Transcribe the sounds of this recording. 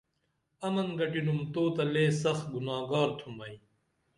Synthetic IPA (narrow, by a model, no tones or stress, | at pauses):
ɐmɐnɡɐʈinumt̪oːt̪ɐleːsɐxɡunaːɡaːɾt̪ʰumbɐi